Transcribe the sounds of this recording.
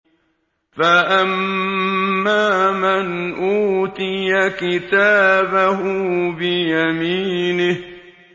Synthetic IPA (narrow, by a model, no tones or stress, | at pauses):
faʔamː | aːmanʔuːt̪ɪjakɪt̪aːbahʊbɪjamiːnɪh